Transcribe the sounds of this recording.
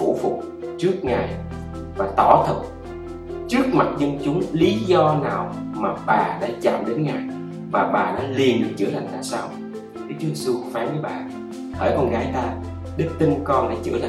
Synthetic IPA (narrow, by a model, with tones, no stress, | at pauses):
fṵ˧˩fʊ˨˩k͡p̚ | t͡ɕɨ˦˥ək̚ŋaː˨˩j | vaː˨˩t̪ɔ˧˩t̪ʰɨ˨˩k̚ | t͡ɕɨ˦˥ək̚ma˨˩t̚zə˧ŋt͡ɕʊ˨˦ŋ͡mli˨˦zɔ˧naː˨˩wmaː˨˩ɓaː˨˩ɗa̰ː˧˥t͡ɕa̰˧˨mɗe˨˦nŋaː˨˩j | vaː˨˩ɓaː˨˩ɗa̰ː˧˥li˨˩ənɗɨ˨˩t͡ɕɨ̰˧˩əla˨˩jŋ̟t̪a̰ː˧˨jsaː˧w | ɗɨ˦˥k̚t͡ɕu˧˦jze˧˩su˧kɔ˧˦faː˨˦nvəː˨˦jɓaː˨˩ | hʰəː˧˩jkɔ˧nɣaː˨˦jt̪aː˧ | ɗɨ˦˥k̚t̪i˧ŋkɔ˧nɗa̰ː˧˥t͡ɕɨ̰˧˩əla˨